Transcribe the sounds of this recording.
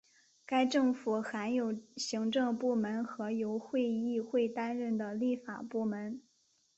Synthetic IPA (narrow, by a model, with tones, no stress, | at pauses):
ka˥ɪʈ͡ʂɤ˥˩ŋfu˨˩xa˧˥njo˨˩ʊɕi˧˥ŋʈ͡ʂɤ˥˧ŋpu˥˩mə˧˥nxɤ˧˥jo˧˥ʊxwe˥˧ɪi˥˧xwe˥˩ɪt̪a˥nɻə˥˩nd̪ə˩li˥˩fa̰˨˩pu˥˩mə˧˥n